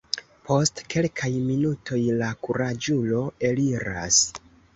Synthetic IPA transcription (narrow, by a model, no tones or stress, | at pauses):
pʰo̞stke̞lkʰajminutʰo̞jlakuɾad͡ʒulo̞e̞liɾa̰s